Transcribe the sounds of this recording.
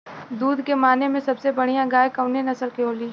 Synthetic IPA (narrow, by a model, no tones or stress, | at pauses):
d̪uːd̪kemaːnemẽsɐbsebɐɽ̤ijãɡaːjkɐʋnenɐsəlkeɦoːliː